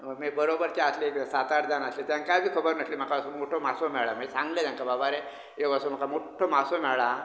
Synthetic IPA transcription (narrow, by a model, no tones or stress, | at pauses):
məmibəɾobəɾt͡ɕaasleksat̪aɽd͡zanaslet̪jãnkajbʱiːkʰəbəɾnəslim̤akaəsomoʈʰomasomɛɭɭamaesãŋɡled̪ãŋkababaɾe | ekəsom̤akamoʈʰomasomɛɭa